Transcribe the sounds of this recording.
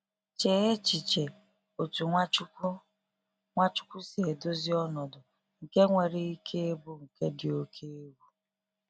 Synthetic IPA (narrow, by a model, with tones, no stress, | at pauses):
t͡ʃe˨e˦t͡ʃi˨t͡ʃe˨ | o˨tu˨˦ | ŋʷa˦t͡ʃʊ̥˦kʷu˦si˨e˨do˦zɪ˦ɔ˦nɔ˨dʊ˨ | ŋ̩˨ke˦ŋʷe˨ɾi˦i˦kʰe˦e˦bu˦ŋ̩˨ke˦dɪ˨o˦kʰe˦e˦bu˦